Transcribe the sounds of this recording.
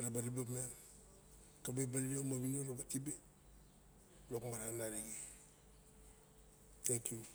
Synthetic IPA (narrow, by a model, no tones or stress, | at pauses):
ɾabaɾibamen | tabebaliɾamabinoɾabatibe | lokmaɾanaɾiɡe | tʰeŋkju